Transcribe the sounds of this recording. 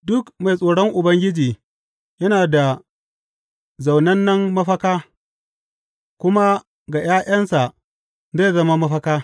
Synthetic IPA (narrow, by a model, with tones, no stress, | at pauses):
dʊ˦kma˨jsʼoː˨ɽɔ˦ŋʔʊ˨bɐ˦ŋɡʲɪ˦d͡ʒiː˨ | jɐ˦naː˨da˨ | za˨wnɐ˦nːɐ˦mːɐ˦ɸɐ˦kaː˦ | kʷʊ˦ma˦ | ɡa˨j̰aː˦j̰ɐ˦nsa˨ | za˦˨zɐ˦ma˦mɐ˦ɸɐ˦kaː˦